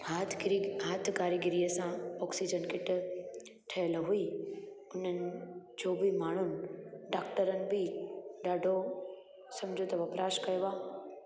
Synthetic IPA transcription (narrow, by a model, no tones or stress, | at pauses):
ɦaːt̪ʰɾiɦaːt̪ʰɡaːɾiɡɪɾijəsãɔːksid͡ʑənkɪʈɪ̆ | ʈʰɐjlɦui | ʊn̤ənɪ̆d͡ʑobɪmaːɳ̤ʊnɪ̆ɖaːkʈəɾənɪ̆bɪɗaːɖʱo | sɐ̃md͡ʑʱot̪ɐʋɐpɾaːʃkɐjoʋaː